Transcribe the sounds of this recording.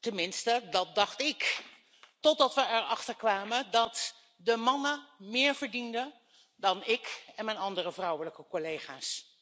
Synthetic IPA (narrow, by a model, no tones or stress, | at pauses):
tɛnmɪnstədɑt̚dɑχtɪk | tɔdɑtʋəɛɹɑχtəɹkʋaːmədɑt | dəmɑnəmɪːɹvəɹdində | dɑnɪkɛnmɛjnɑndərəvrɔwələkəkolejχaːs